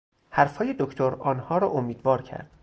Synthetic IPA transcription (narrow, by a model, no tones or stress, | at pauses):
hæɾfhɒːje̞d̪okʰt̪ʰoɾɒːnhɒːɾɒːʔomiːd̪vɒːɾkʰæ̰ɾd̪̥